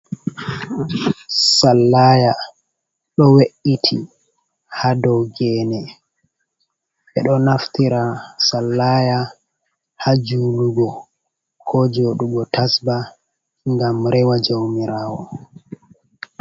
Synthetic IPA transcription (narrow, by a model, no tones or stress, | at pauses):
salːaːja | ɗɔweʔitʰi | hadɔwɡɛːnɛ | ɓɛɗɔnaftiɾasalːaːja | had͡ʒuːluɡɔ | kʰɔd͡ʒoːɗuɡɔtasba | ŋɡamɾɛwad͡ʒowmiɾaːwɔ̰